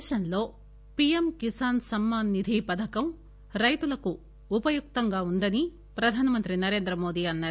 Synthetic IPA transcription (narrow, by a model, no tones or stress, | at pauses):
ʃɐnlo̞ː | pijemkisaːnsɐmːaːnːid̪ʱiːpɐd̪ʱɐkɐm | ɾɐjt̪ulɐkuː | pɐjuk̚t̪ɐŋɡaːund̪ɐni | pɾɐd̪ʱaːnɐmɐnt̪ɾinɐɾe̞ːnd̪ɾɐmo̞ːd̪iːɐnːaː